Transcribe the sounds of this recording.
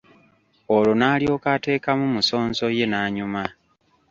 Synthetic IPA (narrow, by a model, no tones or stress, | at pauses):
olonaːlio̞ːkate̞ːkamumuso̞ːnzo̞je̞naːɲuma